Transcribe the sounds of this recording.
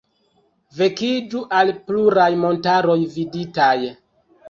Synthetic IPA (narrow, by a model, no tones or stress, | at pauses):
ve̞kid͡ʒuʔalpluɾajmo̞ntaɾo̞jviditaj